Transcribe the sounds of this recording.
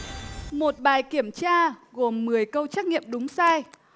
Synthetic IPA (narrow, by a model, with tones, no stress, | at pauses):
mo˨˩t̚ɓaː˨˩jki˧˩əmt͡ɕaː˧ɣo˨˩mːɨ˨˩əjkə˧wt͡ɕaː˦˥k̚ŋḭ˧˨əmɗʊ˨˦ŋ͡msaː˧j